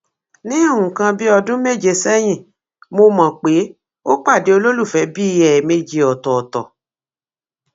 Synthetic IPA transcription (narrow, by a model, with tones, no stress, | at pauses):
nĩ˦˨ũ˨kã˧bi˦ɔ˧dũ˦me˦˨d͡ʒe˧sɛ˦j̃ĩ˦˨ | mo˧mã˨k͡pe˨˦ | o˦k͡pa˦˨de˨˦o˧lo˦lu˦˨fɛ˨˦bi˦˧jɛ˨me˧d͡ʒe˧ɔ˨tɔ˨tɔ˨